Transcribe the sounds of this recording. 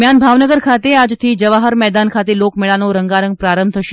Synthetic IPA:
janbʱaʋnəɡəɾkʰat̪ead͡ʒt̪ʰid͡ʒəʋaɦəɾmɛːd̪ankʰat̪elokmɛɭanoɾəŋɡaɾə̃ŋɡ̚pɾaɾəmbʱt̪ʰəʃe

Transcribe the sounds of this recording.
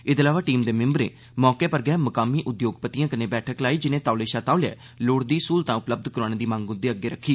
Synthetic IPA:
ɪd̪əlaːʋaːʈiːmd̪eːmɪ̃mbɾḛː | mɔːkeːpəɾɡɪjɛːməkaːmiːʔʊd̪joːɡpət̪ijãːkənẽːbɛːʈʰəklaːiːd͡ʒɪnẽːt̪aːleːʃaːt̪aːleɛ̰ː | loːɽd̪iːsuːlt̪ãːʊpləb̚d̪kəɾaːnẽːd̪iːmãːŋɡʊ̃nd̪eːəɡːeːɾəkʰːiː

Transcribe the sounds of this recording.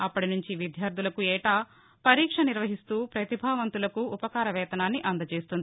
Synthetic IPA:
ɐpːɐɽinuɲt͡ʃiʋid̪ʱjaːɾd̪ʱulɐkuɛːʈaː | pɐɾiːkʂɐniɾʋɐɦist̪uːpɾɐt̪ibʱaːʋɐnt̪ulɐkuːpɐkaːɾɐʋɛːt̪ɐnaːnːiʔɐnd̪ɐt͡ʃeːst̪und̪i

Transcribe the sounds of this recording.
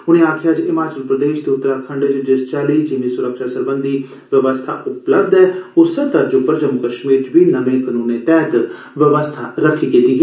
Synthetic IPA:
ʊnẽːaːkʰjaːd͡ʒɪmaːt͡ʃəlpɾəd̪eːʃt̪eːʊt̪ːəɾaːkʰəɳɖed͡ʒd͡ʒɪst͡ʃaːliːd͡ʒɪnĩːsʊɾəkʃaːsəɾbənd̪iː | ʋəʋəst̪ʰa̰ːʔʊpləbd̪ɛːʊsət̪əɾd͡ʒoːpəɾəd͡ʒəmkəʃmiːɾt͡ʃʋiːnəʋẽːkənuːnẽːt̪ɛːt̪ | ʋəʋəst̪ʰa̰ːɾəkʰiːkit̪iːɦɛː

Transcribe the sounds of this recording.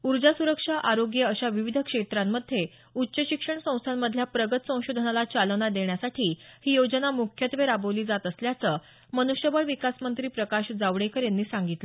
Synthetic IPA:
uɾd͡ʑasuɾəkʂaʔaɾoɡjəəɕaʋiʋid̪ʱəkʂet̪ɾamːəd̪ʱːje | utːɕəɕikʂəɳsə̃w̃st̪ʰamːəd̪ʱljapɾəɡət̪sə̃w̃ɕod̪ʱənalat͡ɕalənad̪eɳjasaʈʰiːhiːjod͡ʑənamukʰjət̪ʋeɾabəʋliːd͡zat̪əsljat͡səː | mənuɕjəbəɭʋikasmənt̪ɾiːpɾəkaɕd͡zaʋɽekəɾjenːiːsaŋɡit̪le

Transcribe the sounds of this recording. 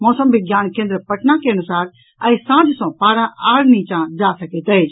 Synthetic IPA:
mɔːsəmbʱɪɡjaːnkẽːnd̪ɾəpɐʈnakeɐnʊsaːɾ | ɛ̃ːsãːd͡ʒsɔ̃paːɾaʔaːɽnĩt͡ʃãd͡ʒaːsɐkʰet̪ɐed͡ʒ

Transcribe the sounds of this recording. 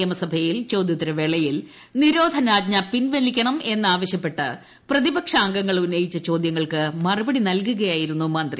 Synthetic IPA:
ɐmɐsɐbʱɐjilt͡ɕowd̪jɐt̪ːiɾɐʋeɭɐjil | niɾo̞ːd̪ʱɐnaːd̪̚ɲɐpinʋenikʲːɐɳɐme̞nːaːʋɐɕjɐpːe̞ʈːɨ | prɐðibɐkʂaːŋɡɐŋːɐɭunːɐjit͡ɕːɐt͡ɕo̞ːd̪jɐŋːɐɭkɨmɐrubɐɽinɐlkuɣɐjaːjiɾunːumɐnd̪ri

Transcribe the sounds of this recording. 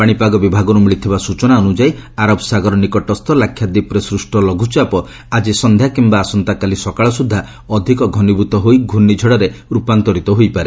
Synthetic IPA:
paɽ̃ipaɡɔbibʱaɡɔɾumiɭit̪ʰibasut͡ʃɔnaɔnud͡ʒajaɾɔbsaɡɔɾɔnikɔʈɔst̪ʰɔlakʰːjad̪ipɾesɾusʈɔlɔɡʱut͡ʃapɔ | ad͡ʒisɔnd̪ʱjakimbaːsɔnt̪akalisɔkaɭɔsud̪ʱːa | ɔd̪ʱikɔɡʱɔnibʱut̪ɔɦojɡʱunid͡ʒʱɔɽɔɾeɾupant̪ɔɾit̪ɔɦojpaɾe

